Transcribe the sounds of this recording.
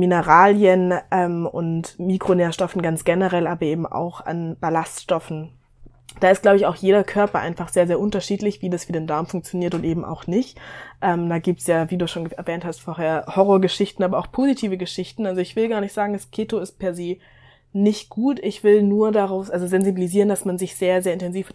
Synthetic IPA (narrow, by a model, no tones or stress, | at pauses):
minəʁaːljənʔɛːmʊ̰ntmiːkʁ̥oneːɐʃtɔfn̩ɡant͡sɡ̥ɛnəʁɛlʔaːbɐʔeːbm̩ʔa̰ʊxa̰nb̥alastʃtɔfn̩ | d̥aːɪst̚ɡ̥laʊbəɪçaʊxjeːɾɐkʰœɐpɐʔa̰ɪnfaχz̥eːɐzeːɐʔʊntɐʃiːtlɪçv̥iːdasv̥iːdeːndaɐmfʊŋk̚t͡sjoniːɐtʊntʔeːbm̩ʔa̰ʊxnɪçtʔɛmd̥aːɡiːp̚tsjaːviːduːʃoːnɡəɛɐvɛːnthastfoːɐɦeːɐhɔʁoːɐɡəʃɪçtn̩aːbɐaʊxpʰoːzitʰiːvəɡəʃɪçtn̩alzoɪçv̥ɪlɡaːɐnɪçtz̥aːɡŋ̩ɛskʰeːtoɪst̚pʰɛɐzeː | nɪçt̚ɡ̥uːtɪçv̥ɪlnuːɐdaʁaʊfsʔalzozɛnzibiliziːʁəndasmanzɪçz̥eːɐzeːɐɪntʰɛnziːf